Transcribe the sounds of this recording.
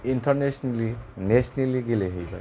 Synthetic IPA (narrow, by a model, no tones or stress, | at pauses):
intʰɐɾnesnelinesneliɡileɦejbɐ̰